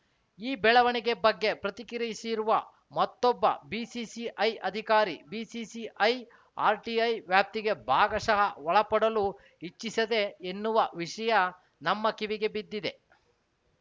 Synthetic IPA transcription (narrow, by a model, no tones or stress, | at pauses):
iːbɛɭɐʋɐɳiɡe̞bɐɡːe̞pɾɐt̪ikiɾɐsiɾuʋɐ | mɐt̪ːɔbːɐ̰biːsisiʔɐjɐd̪ʱikaːɾḭbiːsisiʔɐj | a̰ːɾʈiːɐjʋjaːp̚t̪iɡe̞bʱaːɡɐsɐɦɐʋɔɭɐpɐɽɐlu | it͡ʃːisɐd̪e̞ːnːuʋɐʋiʂɐjɐ | nɐmːɐkiʋiɡe̞bid̪ːid̪e̞